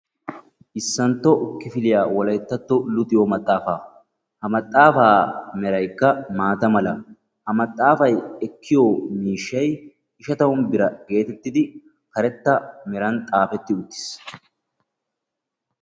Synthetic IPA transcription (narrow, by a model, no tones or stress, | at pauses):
ʔɪsːɐnt̪ːɔʔʊkːɪfɪlɪjaːwɔlɐjt̪ːɐt̪ːɔlʊt̪ʼːɪjɔmɐt̪ʼːaːfaː | hɐmɐt̪ʼːaːfaːmɛɾɐjkːɐmaːt̪ɐmɐlɐ | hɐmɐt̪ʼːaːfɐjɛkːɪjoːmiːʃːɐj | ɪʃɐt̪ɐwʊnbɪɾɐɡe̞ːt̪ɛt̪ːɪd̪ɪ | kɐɾɛt̪ːɐmɛɾɐnt̪ʼaːfɛt̪ːɪʊt̪ːɪ̥s